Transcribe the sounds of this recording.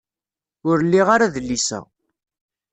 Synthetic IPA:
ʊɾlːiʁaɾaðəlːisæ̰

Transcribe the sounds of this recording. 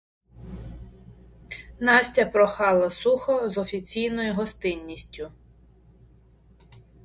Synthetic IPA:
nɑsʲtʲɐpɾɔxɑlˠɐsuxɔzɔfʲit͡sʲijnɔjʊɦɔst̪ɪnʲːisʲtʲʊ

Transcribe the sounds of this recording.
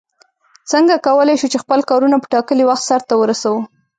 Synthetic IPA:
t͡səŋɡakawəlajʃut͡ʃexpəlkɑɾunapə̥ʈɑkəliwaxt̪saɾt̪awəɾasawə

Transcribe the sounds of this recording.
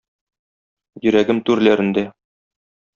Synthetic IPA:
jɵ̆ɾæɡɘmt̪ʉɾlæɾɘ̆nd̪æ

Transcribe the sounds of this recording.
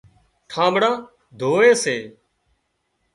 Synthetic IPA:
ʈʰãːɓɽãː | d̪ʱoːeːseː

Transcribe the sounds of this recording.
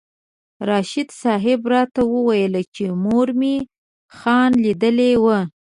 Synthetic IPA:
ɾɑʃɪd̪sɑɦɪbɾɑt̪awəwajəlat͡ʃemoɾme | xɑnlid̪əlewə

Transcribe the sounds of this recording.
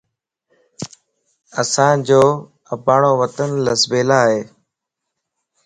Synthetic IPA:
əsãːd͡ʑoː | əpaːɳoːʋət̪ənləsbeːlaːɦeː

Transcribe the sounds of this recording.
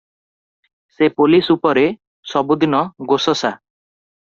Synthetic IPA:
sepolisupɔɾe | sɔbod̪inɔɡosɔsa

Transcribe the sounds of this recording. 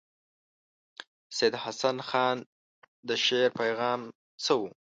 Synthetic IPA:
sed̪hasanxɑn | d̪əʃeɾpajɣɑːm | t͡səwu

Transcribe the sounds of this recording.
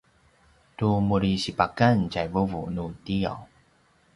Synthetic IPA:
tumuɾiɕipakancajvuvunutia̰w

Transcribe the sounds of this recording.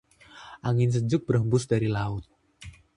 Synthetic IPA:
ʔaŋɪns̬əd͡ʒʊk̚bərɦəmbʊsdaɾilaʊt̪̚

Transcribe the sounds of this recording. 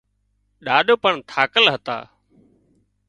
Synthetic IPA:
ɗaːɗoːpəɳt̪ʰaːkəlɦət̪a̰ː

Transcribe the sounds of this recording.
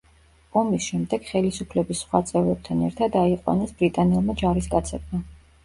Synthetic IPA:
ɔmisʃɛmd̪ɛɡ̥χɛlisupʰlɛbisːχwat̪sʼɛvɾɛb̚t̪ʰanɛɾt̪ʰad̪aiqʼwa̰nɛsb̥ɾit̪ʼanɛlˠmad͡ʒaɾiskʼat̪sʰɛb̪̚ma

